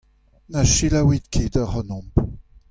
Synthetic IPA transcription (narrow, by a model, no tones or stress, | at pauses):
naʃilawid̪kʰed̪aʁɔnɔ̃mp